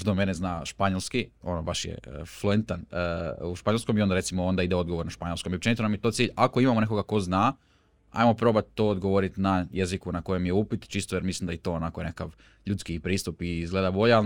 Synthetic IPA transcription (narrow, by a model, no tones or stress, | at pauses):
t̪omeneznaːʃpaɲolˠskio̞nobaʃjḛfluent̪anəuʃpaɲo̞lˠskomio̞nd̪ɾe̞t̪simoond̪aid̪eo̞d̪ɡo̞ʋo̞ɾnaʃpaɲlskomiop̚t͡ʃe̞nit̪onamjet̪ot̪siːʎakoimamone̞ko̞ɡako̞zna | a̰jmo̞pɾo̞ːbat̪̚ːo̞ːd̪ɡoʋo̞ɾit̪najezikunako̞jemjeupit̪t͡ʃist̪ojeɾmislˠimd̪ait̪o̞ːonako̞je̞nekakaʋ | ʎut̪skiːpɾiːst̪upiizɡle̞d̪abo̞ʎeal